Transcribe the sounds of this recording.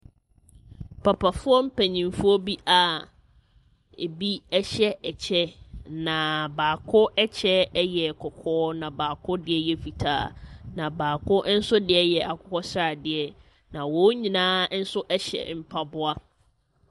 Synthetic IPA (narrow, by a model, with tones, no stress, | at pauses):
pʰa˨pʰa˨fʊ˦ɔ˦m̩˦pʰæ˨ɲĩ˨mfʊ˦ɔ˦bi˦ʔa˨ | ḛ˨bi˦ɛ˦ɕɛ˦ɛ˨t͡ɕʰɛ˦nã˨baː˨kʰʊ˦ɛ˦t͡ɕʰɛ˦jɛ˨kʰɔ˨kʰɔː˦nã˨baː˨kʰʊ˦dɪ˨ɛ˦jɛ˨fi˨tʰa̰ː˦nã˨baː˨kʰʊ˦n̩˦sʊ˦dɪ˨ɛ˦jɛ˨ʔa˨kʰʊ˦kɔ˦sɾa˨dɪ˨ɛ˨ | nã˨wɔ˦ɲĩ˨nãː˦n̩˦sʊ˦ʔɛ˦ɕɛ̰˨m̩˦pʰa˦bʊ˦a˦